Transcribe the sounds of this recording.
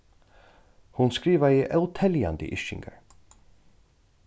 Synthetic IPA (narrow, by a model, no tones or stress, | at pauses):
hʊnskɹiːʋəiːʔœʊt̪ʰɛljɑ̰nd̪ə̰ʔɪʃɪ̰ŋɡə̰ɹ